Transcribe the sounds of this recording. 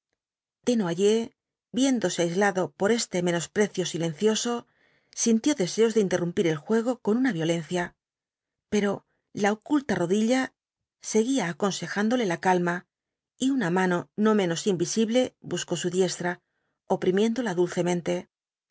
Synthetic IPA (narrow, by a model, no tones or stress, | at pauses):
d̪̥e̞noaʝe̞ | bje̞nd̪o̞se̞ajzlaðo̞po̞ɾe̞st̪e̞me̞no̞spɾe̞θjo̞silẽ̞n̟θjo̞so̞ | sint̪jo̞ðe̞se̞o̞zðeint̪e̞rumpiɾe̞lxwe̞ɣ̞o̞ko̞nunaβjo̞le̞n̟θja | pe̞ɾo̞ | laokult̪aro̞ðiʎa | se̞ɣiaːko̞nse̞xand̪o̞le̞lakalma | iunamano̞no̞mẽ̞no̞simbisiβle̞busko̞suðje̞st̪ɾa | o̞pɾimje̞nd̪o̞laðulθe̞mẽ̞nt̪e̞